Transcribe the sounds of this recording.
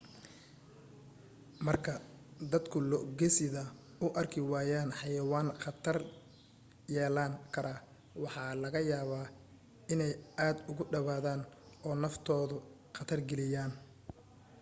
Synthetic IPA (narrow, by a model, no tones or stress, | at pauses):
mɐrkʰɐd̪ɐd̪kʰʊlɔʔɡɛsɪðɐ | ʊʔɐrkʰɪwaːjaːnħɑjɐwaːnχɑt̪ʰɐr | jɛːlaːŋkʰɐɾʔa | wɑħɑːlɐɣɐjaːβaː | ɪnɛjaːd̪ʊɣʊɖɐβaːðaːn | ɔːnɐft̪ʰɔːðʊ | qɐt̪ʰɐrɡɛlɪjaːn